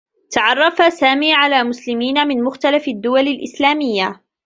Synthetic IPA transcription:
t̪aʕɑrˤːɑfasaːmiːʕalaːmʊslɪmiːnamɪnmʊxt̪alafad̪ːʊwalalʔɪslaːmɪjːa

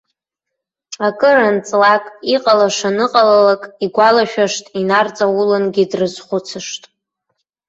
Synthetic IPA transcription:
akʼɨrant͡sʼlakʼiqʼalaʂanɨqʼalalakʼiɡʷalaʃᶣaʂtʼinart͡sʼawʊlɨnɡʲidrɨzχʷʊt͡sʰɨʂtʼ

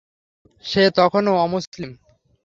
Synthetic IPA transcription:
ʃet̪ɔkʰonoɔmuslim

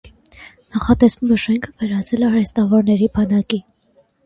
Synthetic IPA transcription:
nɑχɑt̪ɛsnumɛʃɛŋkʰəvɛɾɑt͡sʰɛlɛɑɾɛst̪ɑvɔɾnɛɾibɑnɑki

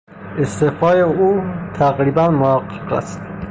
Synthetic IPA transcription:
est̪efɒːjeuːt̪ʰæɣɾiːbænmohæqːeqæ̰st̪

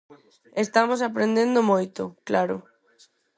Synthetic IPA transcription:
est̪amosapɾẽnd̪ẽnd̪omojt̪ʊklaɾʊ

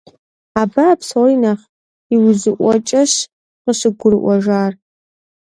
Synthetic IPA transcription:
aːbapswinaχ | iwzɨʔʷɔt͡ʃʼɐɕ | qəɕɨɡʷʊɾɨʔʷɔʒaːr

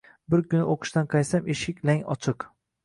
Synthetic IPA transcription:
bɪɾkʰʲʊnɪʔoqʰɨ̥ʃt̪anqʰɑjsameʃɪkʲlaŋɒ̰t͡ʃʰɨq

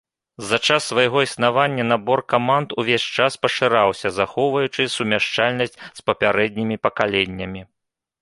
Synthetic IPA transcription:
zɐt͡ʂasːvɐjɣɔisn̪avanʲːɐnabɔrkamand̪uvʲesʲt͡ʂaspɐʂɨɾawsʲɐzaxɔwvɐjut͡ʂɨsumʲaʂt͡ʂalʲnɐsʲt͡sʲspɐpʲaɾɛd̪̚ʲnʲimʲipɐkalʲenʲːɐmʲi

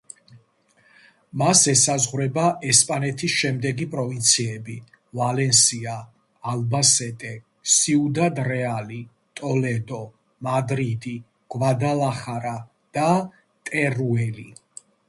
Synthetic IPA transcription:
masɛsazʁwɾɛbaʔɛspʼanɛt̪ʰisʃɛmd̪ɛɡipʼɾɔvint̪sʰiɛbi | valɛnsiaː | lbasɛt̪ʼɛ | siud̪ad̪ɾɛali | t̪ʼɔlɛd̪ɔ | mad̪ɾid̪i | ɡ̥vad̪alaχaɾa | d̪̥a | t̪ʼɛɾuɛli

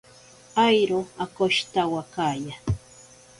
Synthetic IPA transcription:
ajɾoakoʃt̪awakaja

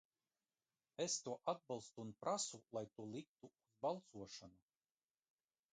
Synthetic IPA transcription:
est̪uɔʔad̪̚bɑlˠst̪uːnpɾasulˠajt̪uɔlˠik̚t̪uːzbalˠt̪suɔʃanu

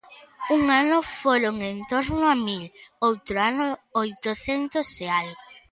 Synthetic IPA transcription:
uŋanʊfoɾoŋẽnt̪oɾnʊamilowt̪ɾoanʊojt̪oθent̪oseaj

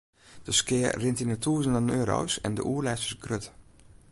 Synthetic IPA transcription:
d̥əskɪərɪntinətʰuːəzənənøːɾo̰wsɛ̰ndə̰ʔuəɹlɛsə̥sɡrøt

